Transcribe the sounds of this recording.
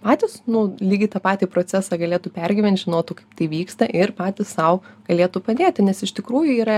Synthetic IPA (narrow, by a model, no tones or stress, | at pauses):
pɑːt̪ʲɪsnʊlʲiːɡʲɪt̪ɐpɑːt̪ʲiːpɾoːt͡s̪ʲæsɑːɡɐlʲeːt̪upʲɛrʲɡʲɪʋʲɛnt̪ʒʲɪnoːt̪ʊkɐɪpt̪ɐɪʋʲiːkst̪ɐʔɪrpɑːt̪ʲɪsːɐʊɡ̥ɐlʲeːt̪upɐd̪ʲeːt̪ʲɪnʲɛsɪʃt̪ʲɪkɾuːjʊiːɾɐ